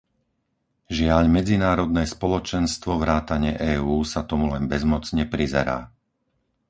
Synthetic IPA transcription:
ʒɪaʎmɛd͡zinaːɾɔd̪nɛːspɔlɔt͡ʃɛnst̪ʋɔʋɾaːt̪aɲɪɛʔɛːuːsat̪ɔmulɛnbɛzmɔt͡sɲɛpɾizɛ̰ɾa̰ː

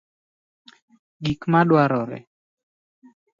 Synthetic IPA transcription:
ɡikmaɗwaɾɔɾɛ̰

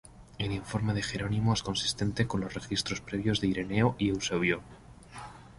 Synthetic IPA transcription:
e̞liɱfo̞ɾme̞ð̞e̞xe̞ɾo̞nĩmoesko̞nsi̥st̪e̞nt̪e̞ko̞nlo̞sre̞xist̪ɾo̞spɾe̞β̞jo̞zðeiɾe̞ne̞oʔiewso̞βjo

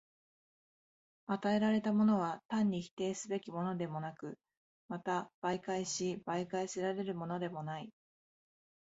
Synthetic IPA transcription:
at̪ae̞ɾaɾe̞t̪amo̞no̞β̞at̪ãɲ̟ːiçi̥t̪e̞ːsɨbe̞kʲimo̞no̞d̪e̞mo̞nakɯ̟ | mat̪ab̥aikaiɕibaikaiseɾaɾe̞ɾɯ̟mo̞no̞d̪e̞mo̞nai

